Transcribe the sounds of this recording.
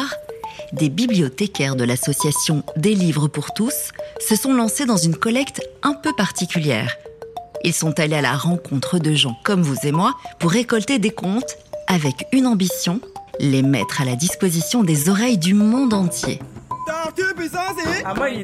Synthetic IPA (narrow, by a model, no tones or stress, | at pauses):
ʁd̪ebiblijɔt̪ekʲɛʁd̪əlasɔsjasjɔ̃d̪elivʁəpuʁt̪usːəsɔ̃lɑ̃sed̪ɑ̃zynkɔlɛkt̪ɛ̃pøpaʁt̪ikʲyljɛ̰ːʁilsɔ̃t̪aleala̰ʁɑ̃kɔ̃t̪χəd̪əʒɑ̃kɔmvuzemwapuʁːekɔlt̪ed̪ekɔ̃t̪avɛkynɑ̃bisjɔ̃lemɛ̰t̪χalad̪ispozisjɔ̃d̪ezɔʁɛjd̪ymɔ̃d̪ɑ̃t̪jḛat̪ypisase